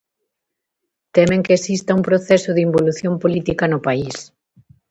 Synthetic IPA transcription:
t̪ɛmeŋkeesist̪ɐumpɾoθɛsʊðimboluθjompolit̪ikɐnʊpais

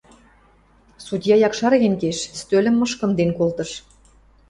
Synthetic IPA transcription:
sud̪ʲjɑjɑkʃɑɾɣʲenkeʃst̪ølʲɘ̆mːɤʃkɤ̆nd̪enkolt̪ɤ̆ʃ

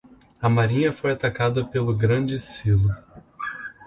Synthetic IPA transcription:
ɐmaɾĩɲɐfojat̪akad̪ɐpelʊɡɾɐ̃d͡ʒɪsilʊ

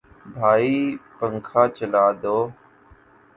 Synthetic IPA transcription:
bʱaːiːpəŋkʰaːt͡ʃəlaːd̪oː

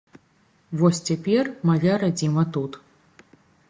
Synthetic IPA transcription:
vɔsʲt͡sʲapʲɛrmajaɾad͡zʲimɐt̪ut̪

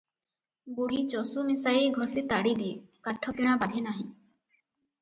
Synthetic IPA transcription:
buɽ̤it͡ʃɔsumisajiɡʱɔsit̪aɽid̪ikaʈʰːɔkiɽ̃abad̪ʱinaɦĩ

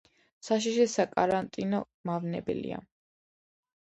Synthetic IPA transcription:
saʃ̬iʃɛsakʼaɾant̪ʼinɔ | mavnɛbɛ̰lḭa̰

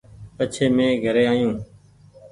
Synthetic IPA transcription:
pət͡ʃʰeːmẽːɡʱəɾeːaːjũː

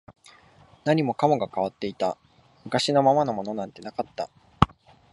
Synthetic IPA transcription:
naɲ̟imo̞kamo̞ɡakaβ̞at̪ːe̞it̪a | mɯ̟kaɕino̞mamano̞mo̞no̞nãnt̪e̞nakat̪ːa̰

